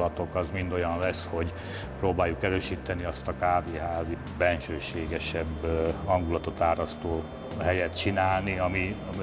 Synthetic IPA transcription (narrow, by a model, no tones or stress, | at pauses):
ɒt̪o̞kɒzmind̪o̞jɒnlɛsho̞ɟ | proːbaːjːukɛɾøːʃit̪ɛniɒst̪ɒkaːviɦaːzi | bɛnʃøːʃeːɡɛʃɛbhɒŋɡulɒt̪o̞t̪aːɾɒst̪oː | ɦɛjɛt̪t͡ʃinaːlniɒmiɒm